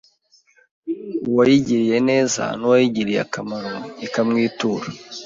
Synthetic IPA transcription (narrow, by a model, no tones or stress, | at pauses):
uwajiɟiɾije̞ne̞ːza̰nuwajiɟiɾija̰kamaɾoikamŋiːtuːɾa